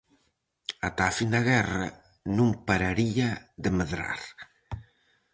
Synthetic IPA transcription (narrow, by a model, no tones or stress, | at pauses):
at̪afind̪ɐɣɛrɐ | nũmpaɾaɾiaðemeðɾa̰ɾ